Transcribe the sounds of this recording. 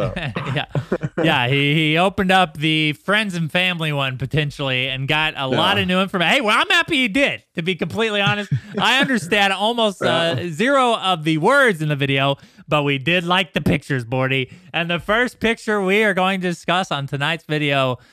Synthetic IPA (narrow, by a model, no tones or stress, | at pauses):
jæ̰jæiioʊpɨ̃ndʌp̚ðɨfɹɛ̃ndzɨ̃n̩fæ̃mliwʌ̃npɨtʰɛ̃nʃl̩ˠiɨ̃nɡɑɾə̰lɔɾʌnʉɪ̃ɱfə˞mheɪwɛlˠãɪ̃mhæpiɨdɪd̚tʰɨbikɨ̃m̩pʰl̥itˡliɑnɨst̚ʔaɪʌ̃ndə˞stæ̃ndɔlˠmoʊstʌzɪɹoʊʌvðɨwɜ˞dzɨ̃nðɨvɪɾioʊb̥ʌt̚widɪdˡlaɪk̚ðɨpʰɪk̚t͡ʃə˞zbɔɹɾiʔɨ̃nðɨfɜ˞spɪk̚t͡ʃə˞wiə˞ɡoʊɪ̃ŋtɨdɨskʌsn̩tʰɨnaɪtsvɪɾioʊ